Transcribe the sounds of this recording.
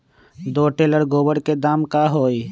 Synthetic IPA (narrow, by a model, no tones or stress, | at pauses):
d̪oːʈeːləɽɡoːbəɽked̪aːmkaɦoːi